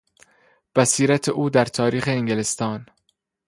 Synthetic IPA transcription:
b̥æsiːɾæt̪ʰeʔuːd̪æɾt̪ʰɒːɾiːxeːŋɡelest̪ɒːn

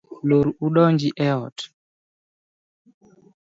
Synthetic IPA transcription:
loɾuuɗɔɲd͡ʒiʔɛɔt

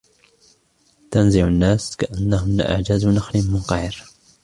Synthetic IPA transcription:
t̪anzɪʕʊnːaːskaʔanːahʊmlaʔa̰ʕd͡ʒaznaxlɪnmʊnqɑjɾ

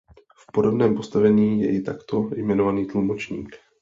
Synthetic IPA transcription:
fpo̞do̞bnɛːmpo̞st̪avɛɲiːjɛ̰ʔɪt̪akt̪o̞jmɛno̞vaniːt̪lumo̞t͡ʃɲḭːk

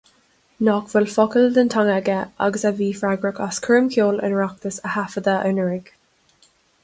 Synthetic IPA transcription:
nɔkv̥əlfɔkəld̪əntʰaŋaɡəʔa̰ɡəsaviːfɹaɡɹəkaskʰɹəmkʰjoːlɪ̰nɹak̚t̪əsəhafəd̪aʔənəɹɪɡ̥

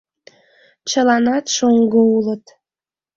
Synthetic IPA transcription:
t͡ɕəlɑnɑt̪ʃoŋɡoulət̪

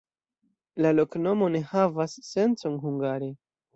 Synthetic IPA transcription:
lalo̞kno̞mo̞ne̞havasːe̞nt͡so̞nhuŋɡaɾe

